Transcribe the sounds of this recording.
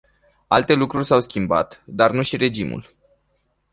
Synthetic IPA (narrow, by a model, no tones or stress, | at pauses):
alt̪e̞lukɾurʲsawskʲimba̰t̪d̪arnuʃiɾe̞d͡ʒimṵl